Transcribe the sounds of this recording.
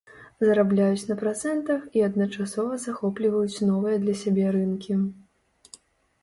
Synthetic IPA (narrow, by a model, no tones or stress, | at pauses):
zɐɾablʲajut͡sʲnɐpɾat̪sɛnt̪ɐxiɐd̪nɐt͡ʂasɔvɐzaxɔplʲivɐjut͡sʲnɔvɨjɐd̪lʲɐsʲabʲɛɾɨnkʲi